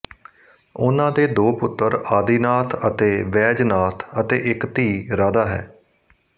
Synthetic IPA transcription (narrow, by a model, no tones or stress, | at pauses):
ʊnãːd̪eːd̪oːpʊt̪ːəɾaːd̪iːnaːt̪ʰət̪eːʋɛːd͡ʒnaːt̪ʰət̪ḛːʔɪkt̪iːɾaːd̪aːɦɛ̰ː